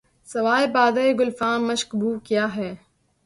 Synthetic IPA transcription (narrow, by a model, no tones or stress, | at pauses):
sɐʋaːebaːd̪aːeɡʊlfãːnmɐʃkbuːkjaːɦɛː